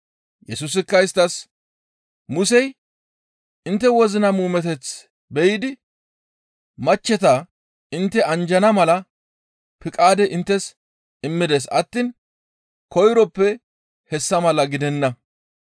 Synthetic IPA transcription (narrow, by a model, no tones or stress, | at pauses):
jɛsʊs̬ɪkːɐɪst̪ɐs | mʊsɛj | ɪnt̪ːɛwɔzɪnɐmuːmɛt̪ɛt͡s | bɛjɪd̪ɪ | mɐt͡ʃːɛt̪ɐ | ɪnt̪ːɛɐnd͡ʒɐnɐmɐlɐ | pɪkʼaːd̪ɛʔɪnt̪ːɛs | ɪmːɪd̪eːs̬ɐt̪ːiːn | kɔjɾɔpːɛ | hɛsːɐmɐlɐɡɪd̪ɛnːɐ